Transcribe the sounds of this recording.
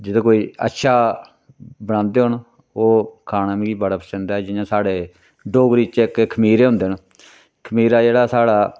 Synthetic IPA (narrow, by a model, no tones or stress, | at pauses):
d͡ʒɪd̪̃ːkoːiːə̰tːʃʰaː | bəɽ̃ãːnd̪eːɦʊɳ | oːkʰaːnãːmĩɡiːbəɽaːpəsə̃nd̪aːɛːd͡ʒɪjãːsaːɽeː | ɖoːɡɾiːt͡ʃɪkkʰəmiːɾeːɦʊ̃nd̪eːn | kʰəmiːɾaːd͡ʒeːɽaːsaːɽaː